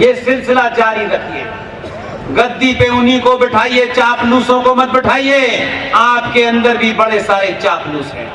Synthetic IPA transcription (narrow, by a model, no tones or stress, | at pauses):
jeːsɪlsɪlad͡ʒaːɾiɾɐkʰiɦɛ̰ː | ɡɐd̪ːipeʊnikobɪʈʰaːiet͡ʃaːpluːsõkomɐt̪̚bɪʈʰaːieːaːpkeɐ̃nd̪əɾbʱibɐɽesaːɾet͡ʃaːpluːsɦɛ̰̃ː